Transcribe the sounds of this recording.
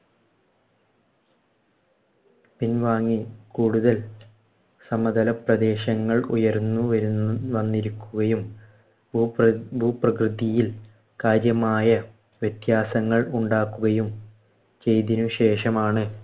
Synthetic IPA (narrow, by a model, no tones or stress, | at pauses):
pinʋaːŋːikuːɽuðɐl | sɐmɐd̪ɐlɐprɐd̪e̞ːɕɐŋːɐɭṵjɐɾnːuʋɐɾuʋɐnːiɾukʲːuɣɐjumː | bʱuːprɐkrɨd̪ijil | kaːɾjɐmaːjɐ | ʋjet̪jaːsɐŋːɐɭuɳɖaːkːuɣɐjum | t͡ɕe̞jt̪inuɕe̞ːʂɐmaːɳɨ